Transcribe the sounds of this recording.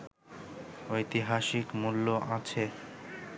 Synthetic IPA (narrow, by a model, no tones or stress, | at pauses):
ojt̪iɦaʃikmulːoʔat͡ɕʰe